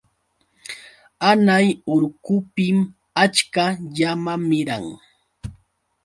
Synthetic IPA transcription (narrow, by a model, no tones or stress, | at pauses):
anajʊɾkʊpɪm | at͡ʃkaʎamamɪɾa̰ŋ